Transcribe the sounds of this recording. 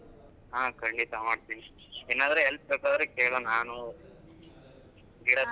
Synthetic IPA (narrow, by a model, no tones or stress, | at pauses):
ɦaːkɐɳɖit̪ɐmaːɽt̪iːni | eːnaːd̪ɐɾeɦelp̚beːkaːd̪ɐɾekeːɭonaːnu | ɡiːɽɐ